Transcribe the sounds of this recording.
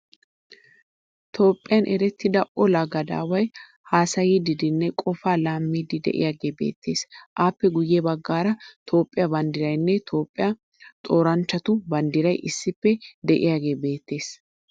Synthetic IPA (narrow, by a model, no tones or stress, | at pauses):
t̪ʰo̞ːpʼːɪjɐnʔɛɾɛt̪ːɪd̪ɐʔɔlɐɡɐd̪a̰ːwɐj | haːsɐjid̪ɪd̪ɪnːɛkʼɔfaːlaːmːiːd̪ɪd̪ɛ̰ʔɪ̰jaːɡe̞ːbe̞̰ːt̪ʰːe̞̰ːsʔaːpːɛɡʊjːɛbɐɡːaːɾɐt̪ʰo̞ːpʼːɪjɐbɐnd̪ɪɾɐjnːɛt̪ʰo̞ːpʼːɪja | t̪ʼo̞ːɾɐnt͡ʃːɐt̪ʊbɐnd̪ɪɾɐjʔɪsːɪpːɛd̪ɛʔɪ̰jaːɡe̞ːbe̞ːt̪ːe̞ːs